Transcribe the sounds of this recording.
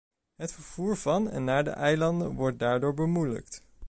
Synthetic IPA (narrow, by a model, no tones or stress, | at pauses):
ɦətfəɹv̥uːɹvɑnɛ̰nːaːɹdə̰ʔɛjlɑndə̰nʋɔɹt̚daːɹdoːɹbəmujlə̰kt